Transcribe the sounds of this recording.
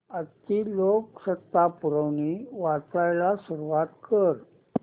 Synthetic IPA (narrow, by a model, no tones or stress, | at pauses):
ət̪ːiloksət̪ːapuɾəʋniʋat͡sajlasuɾuʋat̪kəɾ